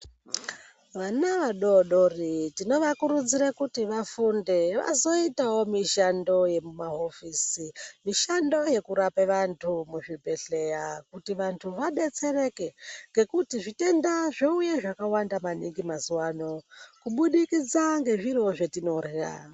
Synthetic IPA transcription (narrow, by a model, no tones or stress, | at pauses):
ʋanaʋaɗo̞ɗo̞ritino̞ʋakuɾud͡ziɾakutiʋafunde̞ʋa̰zo̞itawo̞miʃando̞je̞mumaɦo̞fisimiʃando̞je̞kuɾapeʋantʰumuʐibʱe̞ɬe̞jakutiʋantʰuʋaɗe̞t͡se̞re̞ke̞ŋɡe̞kutiʐite̞ndaʐoujeʐakawandamaniŋɡimazuwano̞kuɓuɗikid͡zaŋɡe̞ʐiroʐetino̞rja̰